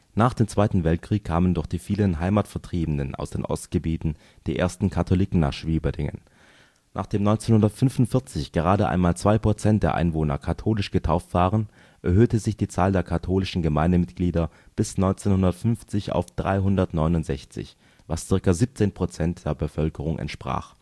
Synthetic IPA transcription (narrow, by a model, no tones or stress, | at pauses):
naːχd̥eːmt͡sv̥aɪtn̩vɛltkʁ̥iːkʰːaːməndʊɐχd̥iːfiːlənɦaɪmatfɛɐtʁ̥iːbən̩əna̰ʊsd̥ḛːnʔɔ̰stɡ̥əbiːtn̩ | d̥iːʔḛːɐstn̩kʰatʰoliːkŋ̩na̰ːχʃv̥iːbɐdɪŋə̰n | nʔaːχd̥eːmnɔʏnt͡seːnhʊndɐtfʏnvʊntfɪɐt͡sɪçɡ̥əʁaːdəʔa̰ɪnmaːlt͡sv̥aɪpʁ̥ot͡sɛnt̚d̥eːɐʔa̰ɪnvoːnɐ̰kʰatʰoːlɪʃɡ̥ətʰaʊftv̥aːʁən | ʔɛɐɦøːtəzɪçd̥iːt͡saːldeːɐkʰatʰoːlɪʃn̩ɡəmaɪndəmɪt̚ɡ̥liːdɐ | b̥ɪsnɔʏnt͡seːnhʊndɐtfʏnft͡sɪça̰ʊfd̥ʁa̰ɪɦʊndɐtnɔʏnʊntz̥ɛçt͡sɪ̰ç | vast͡sɪɐkɐziːp̚t͡seːnpʁ̥ot͡sɛntd̥eːɐbəfœlkəʁ̞ʊŋʔɛ̰ntʃpʁ̥a̰ːχ